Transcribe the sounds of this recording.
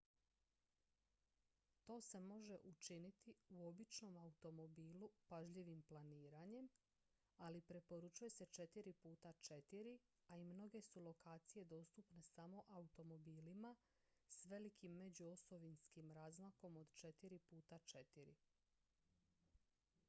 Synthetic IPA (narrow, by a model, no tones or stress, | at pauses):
t̪o̞ːse̞mo̞ʒe̞ʔut͡ʃinit̪iuo̞bit͡ʃno̞maut̪o̞mo̞biːlupaʒʎiʋimplaniːɾaɲe̞m | alipɾe̞po̞ɾut͡ʃuje̞se̞t͡ʃe̞t̪iɾipuːt̪at͡ʃe̞t̪iɾi | aimno̞ɡe̞sulˠo̞kaːt̪sije̞d̪o̞ːst̪upne̞samo̞ʔaut̪o̞mo̞biːlima | sʋe̞likʰimːe̞d͡ʑuo̞so̞ʋinskimɾaːzmako̞mo̞d̪t͡ʃe̞t̪iɾipuːt̪at͡ʃe̞t̪iɾḭ